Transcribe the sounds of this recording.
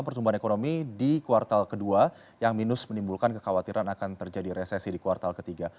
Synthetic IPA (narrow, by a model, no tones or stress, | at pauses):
mpərt̪umbaɦanekonomidikuart̪alkədua | jaŋminʊsmənimbulkankəkawat̪iɾanakant̪ərd͡ʒadiɾesesidikuwart̪alkət̪iɡa